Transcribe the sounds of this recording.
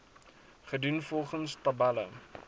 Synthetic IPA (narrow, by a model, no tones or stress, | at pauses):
χədunfɔlˠχənstɐbælə̰